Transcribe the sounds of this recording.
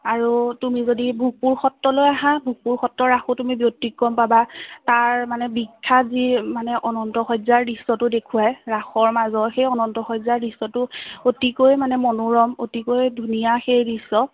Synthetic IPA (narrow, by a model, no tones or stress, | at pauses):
aɹutumizodibʱuɡ̚puɹxɔtːɔlojaɦãbʱuɡ̚puɹxɔtɹɔɹaxotumibjotikːɔmpabataɹmanɛbikʰːazimanɛʔɔnɔntɔxɔjzaɹdisɔtʊdekʰuajɹaxɔɹmazɔxejɔnɔntɔxɔjzaɹdisɔtʊotikojmanɛmɔnuɹɔmotikojdʱunijaxejdisɔ